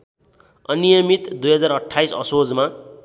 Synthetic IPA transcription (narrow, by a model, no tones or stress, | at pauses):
ʌnijʌmit̪d̪ujɦʌd͡zaɾʌʈʰːajsʌ̰sod͡zma